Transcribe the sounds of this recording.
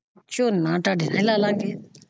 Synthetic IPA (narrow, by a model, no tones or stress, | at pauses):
t͡ʃoːnãːʈaːɖiːnãĩlaːlãːŋɡeː